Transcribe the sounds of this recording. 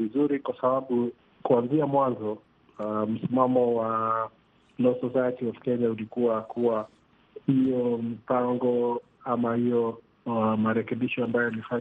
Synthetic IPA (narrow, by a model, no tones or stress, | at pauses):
izuɾikwasaɓaɓu | kuanziamwanzɔ | m̩simamɔwa | lɔsɔsajɛtiafkɛɲaulikuwakʰuwa | hijɔmipaŋɡɔ | amahijɔ | wamaɾɛkɛɓiʃɔambajɔjalifa